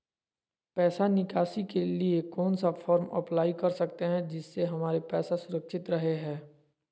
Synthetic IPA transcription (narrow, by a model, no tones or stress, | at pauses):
pɛːsanɪkaːsikeliekɔːnsafʰɔːɾmɐ̰plaːikɐɾsɐk̚t̪eɦɛ̃d͡ʒɪsːeɦɐmaːɾepɛːsasʊɾəkʃɪt̪ɾɐɦeɦɛ̃ː